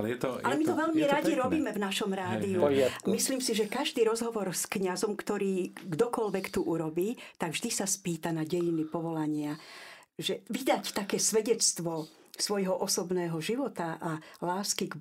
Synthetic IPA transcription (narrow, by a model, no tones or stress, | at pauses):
ɛɛt̪ɔalɛmit̪ɔʋɛʎmiɾaɟiɾɔbiːmɛvnaʃɔmɾaːd̪iumisliːmsiʒɛkaʒd̪iːɾɔzɦɔʋɔɾskɲazɔmkt̪ɔɾiːɡd̪ɔkɔlʋɛkt̪uʔuɾɔbiːt̪aɡvʒd̪isaspiːt̪anaɟɛjinipɔʋɔlaɲɪa | ʒɛʋid̪act̪akɛːsʋɛɟɛt͡st̪ʋɔ | sʋɔjɦɔʔɔsɔbnɛːɦɔʒiʋɔt̪aʔalaːskiɡ